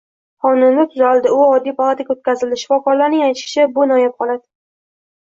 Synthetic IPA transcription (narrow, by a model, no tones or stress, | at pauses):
χɒnɪmlɪt̪ʰʊzalˠd̪ɪʊɒd̪ːijpʰalˠat̪ʰaɡʲot̪̚kʲʰazɪlɪʃɪfɒkɒɾlaɾnɪŋajt̪ʃɪ̥ʃʰɪbʊnɒjap̚qʰɒlˠad̪ɪ